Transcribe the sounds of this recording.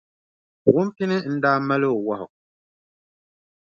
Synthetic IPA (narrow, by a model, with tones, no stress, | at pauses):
ɣu˦m˦ti˦nɨ˦n̩˦daː˦mɛ˦lɨ˦˨wɔ˦hʊ̰˨ʔ